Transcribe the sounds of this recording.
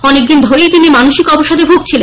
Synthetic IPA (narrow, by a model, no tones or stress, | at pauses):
ɔnek̚d̪ind̪ʱoɾiet̪inimanoʃikɔboʃad̪ebʱub̚t͡ɕʰile